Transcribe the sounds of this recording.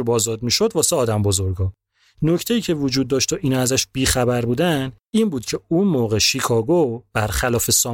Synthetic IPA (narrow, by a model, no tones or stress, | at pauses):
bɒːzɒːd̪miːʃo̞d̪vɒːseɒːd̪æmbo̞zo̞ɾɡɒ | no̞cʰt̪ʰe̞jiːcʰe̞vod͡ʒuːd̪̚ːɒːʃt̪ʰoʔiːnɒæzæʃb̥iːxæbæɾbuːd̪æn | iːnbuːd̪̥cʰe̞unmoːɣeʃikʰɒːɡob̥æɾχælɒːfe̞sɒː